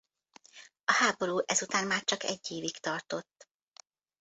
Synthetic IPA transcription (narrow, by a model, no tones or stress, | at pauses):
ɒhaːbo̞ɾuːʔɛzut̪aːnmaːrt͡ʃɒkɛ̰ɟːeːvikt̪ɒrt̪o̞t̪ː